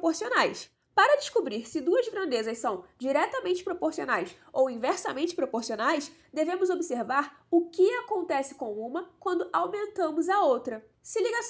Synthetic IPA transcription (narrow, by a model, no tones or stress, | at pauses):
poɾsionajs | paɾɐd͡ʒɪʃkubɾiɾsɪd̪uɐzɡɾɐ̃nd̪ezɐssɐ̃w̃d͡ʒiɾɛt̪ɐmẽnt͡ʃɪ̥pɾopoɾsio̰najs | owĩvɛɾsɐmẽnt͡ʃɪ̥pɾopoɾsionajs | d̪evẽmʊzobiseɾvaɾ | ʊkɪakõnt̪ɛsɪ̥kõw̃ũmɐkwɐ̃nd̪ʊʔawmẽnt̪ɐ̃mʊzɐowt̪ɾɐ | sɪliɡas